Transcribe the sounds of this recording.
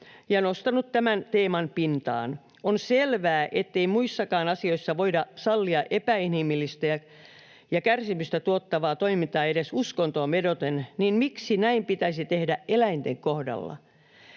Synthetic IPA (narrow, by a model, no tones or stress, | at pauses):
jɑnost̪ɑnut̪t̪æmænt̪eːmɑnpint̪ɑ̰ːn | onselʋæːʔet̪ːeimuisːɑkɑːnɑsioisːɑʋoidɑsɑlːiɑʔepæinimilːist̪æjɑ | jɑkærsimyst̪æt̪uot̪ːɑʋɑːt̪oimint̪ˑɑːeɾesuskont̪oːmedot̪enninmiksinæimpit̪æisit̪ehdæʔʔelæint̪eŋkohdɑ̰lːɑ̰